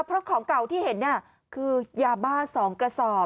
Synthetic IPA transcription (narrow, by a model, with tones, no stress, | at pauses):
pʰɾɔ˦˥kʰɔː˩˦ŋka˨˩wt̪ʰiː˥˩he˩˦nːi˥˩ɐ | kʰɯː˧jaː˧baː˥˩sɔː˩˦ŋkɾa˧sɔː˨˩